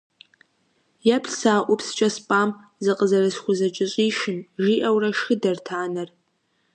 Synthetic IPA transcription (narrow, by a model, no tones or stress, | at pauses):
jɛpʰsaːʔʷʊpst͡ʃʼɐspʼaːm | zɨqʼəzɐrɨsχʷʊzɐt͡ʃʼɪɕʼiːʃɪnʒiːʔɐwrɐʃxɨdɐrtʰaːnɐr